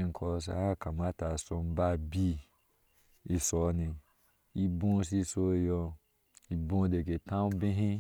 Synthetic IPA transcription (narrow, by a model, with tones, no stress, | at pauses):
ŋ̩˨kʰɔ˧s̬a̰˧˦a˦ka˨ma˦ta˨so˧m̩˦ba˦bi˦ | e˧sɔ˨˦nĩ˨ | i˧bõ˦si˧so˧˦˧jɔ˧ | i˧bõ˧˦de˨ɡe˨tã˦u˦bẽ˦ɦĩ˦